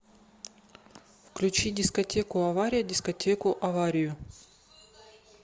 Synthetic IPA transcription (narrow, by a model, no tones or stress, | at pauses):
fklʲʉt͡ɕidʲɪskɐtʲekʊɐvaɾʲɪjədʲɪskɐtʲʰekʊʔɐvaɾʲɪjʊ